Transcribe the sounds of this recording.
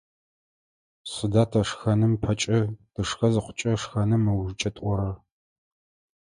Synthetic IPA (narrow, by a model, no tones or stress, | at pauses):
sɨdaːtʰɐʂxɐnɨmpʰɐt͡ʃʼɐd̥ɨʂxɐzɨqʷʰʊ̥t͡ʃʼɐʂxɐnɨmːɐwʒɨt͡ʃʼɐtʼʷɔɾɐ